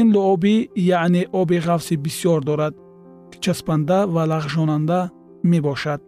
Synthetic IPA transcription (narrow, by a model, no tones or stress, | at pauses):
inluɔbijaʕneʔɔbiʁafsibisijɔɾd̪ɔɾad̪ | kʰt͡ʃʰaspand̪avalaʁʒɔnand̪a | mebɔʃad̪̥̚